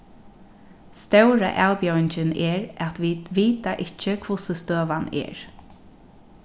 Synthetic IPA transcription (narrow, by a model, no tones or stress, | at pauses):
st̪œwɾa̰ʔalpjœwɪɲt͡ʃɪnɛɹat̪ʋiʋiːt̪aʔɪht͡ʃːəkʰvʊsəst̪øːʋanɛ̰ːɹ